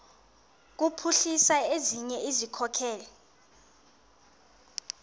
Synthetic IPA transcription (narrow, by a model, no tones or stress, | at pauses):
k̬upʰuɬisaeziɲɛizikʰɔkʰɛːlɛ